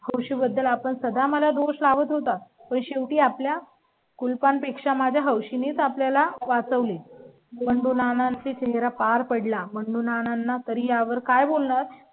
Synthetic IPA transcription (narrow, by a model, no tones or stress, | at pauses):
həwɕiːbəd̪ːəlapəɳsəd̪ʱaməlad̪oʂlaʋət̪ɦot̪apəɳɕeʋʈiːaplja | kulpanpekʂamad͡ʑʱjaɦəwɕinet͡sapljalaʋat͡səʋle | məɳɖunanãnt͡set͡ɕeɦɾapaɾpəɽlaməɳɖunananːat̪əɾiːjaʋəɾkajbolɳaɾ